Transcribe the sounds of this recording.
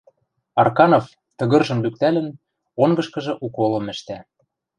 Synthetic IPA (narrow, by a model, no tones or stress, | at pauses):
ɑrkɑnof | t̪ɤ̆ɣɤ̆rʒɤ̆mlyk̚t̪ælə̆n | oŋɡɤ̆ʃkɤ̆ʒɤ̆ʔukolɤ̆mɘ̆ʃt̪æ